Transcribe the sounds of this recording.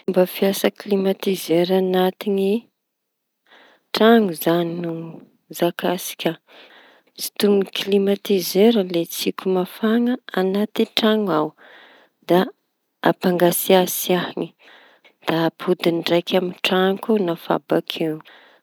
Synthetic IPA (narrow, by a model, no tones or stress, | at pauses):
mbəfiasəklimat̪izeɾanat̪ini | ʈ͡ʂaŋuzaninu | zakasi̥kʲa | t͡si̥t̪umiklimat̪izeɾəlet͡sikʲumafaŋəanat̪iʈ͡ʂaŋaw | d̪a | apaŋɡasiasiahni | d̪̥aːpʰud̪inɖ͡ʐajkʰʲaminʈ͡ʂaŋkunafa̰bakʰew